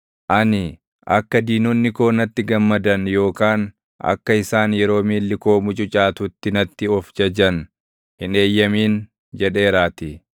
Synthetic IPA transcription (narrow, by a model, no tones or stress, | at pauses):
ʔɐnɪ | ʔɐ̰kːɐd̪iːnɔnːɪko̞ːnɐt̪ːɪɡɐmːɐd̪ɐnjo̞ːkaːn | ɐ̰kːɐɪsaːnjɛɾo̞ːmiːlːɪko̞ːmʊt͡ʃʼʊt͡ʃʼaːt̪ʊt̪ːɪnɐt̪ːɪɔfd͡ʒɐd͡ʒɐn | hɪne̞ːjːɐmiːn | d͡ʒɛᶑe̞ːɾaːt̪ɪ